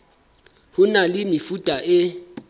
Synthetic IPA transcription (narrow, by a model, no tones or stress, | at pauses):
hʊnalɪmɪfutʼaʔɪ